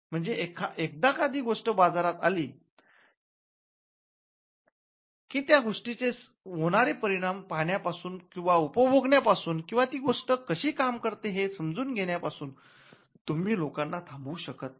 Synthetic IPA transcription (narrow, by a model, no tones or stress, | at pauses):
m̤əɳd͡zeʔekʰaʔek̚d̪akad̪iːɡoʂʈəbad͡zaɾat̪a̰liː | kiːt̪jaɡʱoʂʈit͡ses | ʋoɽ̃aɾepəɾiɽ̃ampaɳjapasuːnkĩw̃ʋaupəboɡɳjapasuːnkĩw̃ʋat̪iːɡoʂʈəkəɕiːkamkəɾt̪eɦesəmd͡zuːnɡʱeɽjapasuːn | t̪um̤iːlokanːat̪ʰãmbuːɕəkət̪̚